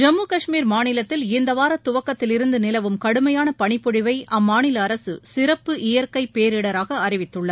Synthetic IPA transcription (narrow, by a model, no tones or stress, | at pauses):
d͡ʒɐmːuːkɐʂmiːɾmaːnɪlɐt̪ːɪlɪnd̪ɐʋaːɾɐt̪ːʊʋɐkːɐt̪ːɪlɪɾɯnd̪ɯnɪlɐʋɯmkɐɽɯmɐjaːnɐpɐɳɪpːɔɽɪʋɐɪʔɐmːaːɳɪlɐːɾɐsɯ̰sɪɾɐpːɯʔɪjɐɾkɐɪpːeːɾɪɽɐɾaːɣɐɐɾɪʋɪt̪ːɯɭːɐ